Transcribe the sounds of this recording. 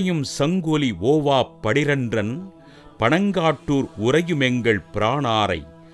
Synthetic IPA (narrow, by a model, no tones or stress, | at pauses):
jɯmsɐŋɡolioːʋaːpːɐɽɪɾɐndrɐn | pɐɳɐŋɡaːʈːuːɾʊɾɐjɯmɛŋɡɐɭpɪɾaːɳaːɾɐɪ